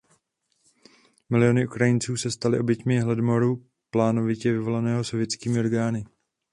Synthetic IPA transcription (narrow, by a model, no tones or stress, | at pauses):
mɪlɪjo̞nɪʔukɾajɪnt͡suːsɛst̪alɪʔo̞bjɛcmɪɦlɛdmo̞ɾu | plaːno̞vɪcɛvɪvo̞lanɛːɦo̞sovjɛtt͡skiːmɪo̞ɾɡaːnɪ